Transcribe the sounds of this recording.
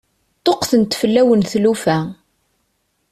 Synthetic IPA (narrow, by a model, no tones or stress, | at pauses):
t̪ˤːoqθənt̪fəlːæwənθlufæ